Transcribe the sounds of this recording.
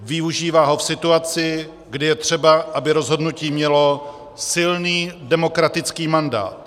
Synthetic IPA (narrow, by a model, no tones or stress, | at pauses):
vɪuʒiːvaːɦo̞fsɪt̪uat͡sɪ | ɡdɪjɛt̪r̝̥ɛbaʔabɪɾo̞zɦo̞dnuciːmɲɛlo̞ | sɪlniːdɛmo̞kɾat̪ɪt͡skiːmanda̰ːt̪